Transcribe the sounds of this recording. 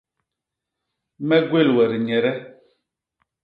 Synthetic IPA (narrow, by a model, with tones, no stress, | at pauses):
mɛ˦ɡwe˦˨lwɛ˨ɾi˨ɲɛ˨ɾɛ˦